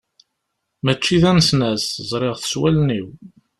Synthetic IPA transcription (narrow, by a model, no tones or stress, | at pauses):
mæt͡ʃːiðænsnæsəzˤɾˤeʁθə̥swælniw